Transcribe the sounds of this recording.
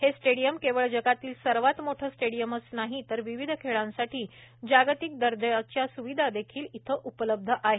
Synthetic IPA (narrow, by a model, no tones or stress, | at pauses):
hesʈeɽijəmkeʋəɭd͡ʑəɡat̪iːlsəɾʋat̪moʈʰəːsʈeɽijəməsnaɦit̪əɾʋiʋid̪ʱəkʰeɭãnsaʈʰiːd͡ʑaɡt̪ik̚d̪əɾd̪əjat͡ɕjasuʋid̪ʱad̪ekʰiːlit̪ʰəʔupələb̚d̪ʱəʔaɦe